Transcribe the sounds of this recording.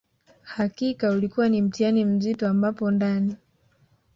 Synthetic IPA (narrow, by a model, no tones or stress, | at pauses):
hakikaulikuwanim̩tianim̩zitɔambapɔndani